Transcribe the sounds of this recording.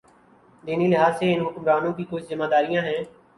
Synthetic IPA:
d̪eːniːlɪɦaːzseːɪnɦʊkmɾaːnõːkiːkʊt͡ʃʰzɪmaːd̪aːɾɪjãːɦɛ̃ː

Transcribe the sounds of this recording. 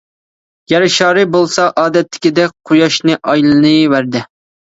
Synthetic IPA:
jɛɾɪʃɑːɾɨbolˠsɑʔɑːd̪ɛt̪ʰːɪ̥kʲid̪ɛk̚ʲqʰojɑʃnɨʔɑjlˠɨnɨvæɾd̪ɪ

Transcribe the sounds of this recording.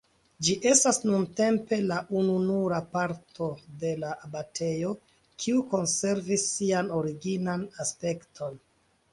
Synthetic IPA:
d͡ʒiʔe̞stasnunte̞mpe̞laʔununuɾapaɾtʰo̞de̞laabatʰe̞jo̞ | kʰiuko̞nse̞ɾvisːiano̞ɾiɡinanaspe̞ktʰo̞n

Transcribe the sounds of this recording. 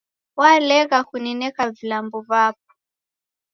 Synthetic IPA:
walɛɣakunɛnɛkavilambɔβap̚ɔ̥

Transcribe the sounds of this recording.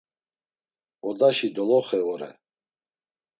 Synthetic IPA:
ɔd̪aʃid̪ɔlɔχɛɔɾɛ̰

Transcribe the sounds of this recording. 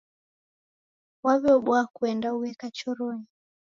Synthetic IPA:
waβɛɔɓwakuɛndauɛkat͡ʃɔɾɔɲi

